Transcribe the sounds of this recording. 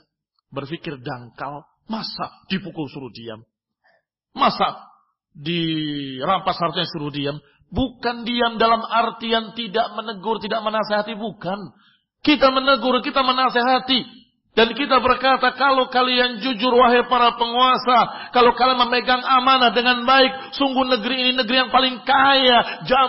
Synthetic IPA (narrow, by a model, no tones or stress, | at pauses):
bərfikɪrdaŋka̰l | masad̥ipukusuɾudia̰m | asa | dirampashart̪iɲasuɾuhdiam | bukandiamdalamart̪ijaŋt̪idaʔmənəɡʊrt̪idaʔmənaseɦat̪ibukan | kit̪amənəɡʊrkit̪amənaseɦat̪i | dankit̪abərkat̪akalokaliand͡ʒud͡ʒʊrwaɦɪrpaɾapəŋuasakalokalaməməɡaŋamanahdəŋanbaɪk̚suŋɡuhnəɡɾiːninəɡɾijaŋpalɪŋkajad͡ʒa